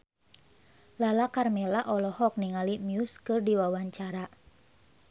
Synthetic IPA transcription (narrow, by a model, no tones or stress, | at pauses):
lalakarmɛlaʔɔlɔhɔk̚niŋalimjuskɨrdiwawaɲt͡ʃaɾa